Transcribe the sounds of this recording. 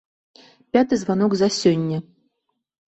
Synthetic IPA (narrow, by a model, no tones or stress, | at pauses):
pʲat̪ɨzvan̪ɔɡzɐsʲɔnʲːɐ